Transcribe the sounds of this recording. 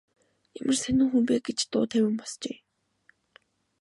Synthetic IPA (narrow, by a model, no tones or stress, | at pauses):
emʔɘ̆rsænɘ̆ŋxumpeːɡet͡ɕt̪ʊ̰ːt̪ʰæwʲɘ̆mpɔst͡ɕeː